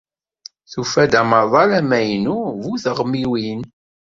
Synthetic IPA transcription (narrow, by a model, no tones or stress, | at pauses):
θufæd̪æmɑðˤɑlæmæjnuvuθəʁmiwin